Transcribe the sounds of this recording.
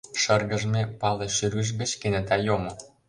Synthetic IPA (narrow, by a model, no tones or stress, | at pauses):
ʃɤ̆rɣə̆ʒmepɑleʃyrɡə̆ʒ̬ɡə̆t͡ɕkenet̪ɑjomŏ